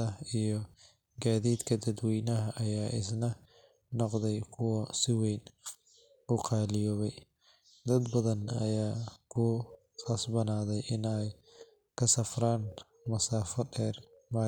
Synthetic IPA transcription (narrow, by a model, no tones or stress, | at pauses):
ɐijɞ | ɡaːðiːd̪kʰɐd̪ɐd̪wɛjnɐɦɐʔɐjaːʔɪsnɐ | nɔqðɛjkʰʊwɔsɪwɛjn | ʊqɑːlɪjɔːβɛj | d̪ɐd̪bɐðɐnɐjaːkʰʊ | ɐsbɐnaːðɛjʔɪnɛj | kʰɐsɐfraːn | mɐsaːfɐdɛːr | ma